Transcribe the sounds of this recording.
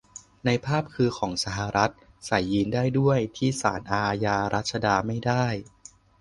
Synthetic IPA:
na˧jpʰaː˥˩p̚kʰɯː˧kʰɔː˩˦ŋsa˧ɦa˧ɾa˦˥t̪̚ | sa˨˩˦jːiː˧ndaː˥˩jdu˥˩əjt̪ʰiː˥˩sa̰ː˩˦nʔaː˧jaː˧ɾa̰˦˥t̪̚t͡ɕʰa˧daː˧ma˥˩jdaː˥˩j

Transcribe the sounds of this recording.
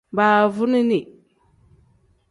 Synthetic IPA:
ba˨vu˦ni˦ni˨

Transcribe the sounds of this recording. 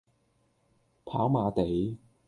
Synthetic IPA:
pʰa̰ː˨˥wmaː˨˧t̪e˨˥j

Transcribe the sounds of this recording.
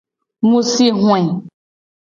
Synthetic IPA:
mũ˦si˦ɦw̃ɛ̃˨

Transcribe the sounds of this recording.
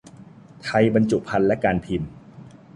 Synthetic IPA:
t̪ʰa˧jba˧nt͡ɕu˨˩ʔpʰa˧nlɛ˦˥kaː˧npʰi˧m

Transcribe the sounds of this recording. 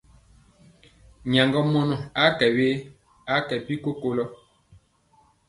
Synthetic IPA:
ɲa˨ŋɡɔ˦mɔ˦nɔ˨a˨˦kɛ˨we˦ | a˦kɛ˨pi˦ko˦ko˦lɔ˦

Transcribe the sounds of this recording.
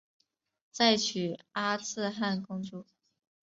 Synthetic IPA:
t͡sa˥˩ɪt͡ɕʰy˨˩a˥t͡sʰɹ̩˥˧xa˥˩nkʊ˥ŋʈ͡ʂu˥˩

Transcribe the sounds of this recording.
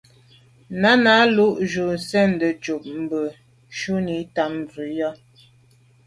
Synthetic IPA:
na˦na˨˦lu˦ʔʒu˨n̩˨sɛ˦˨n̩˨də˨t͡ʃu˨p̚m̩˨bə˨ | ʃu˦ni˨˦ta˨m˨vi˨˦jɔ˦

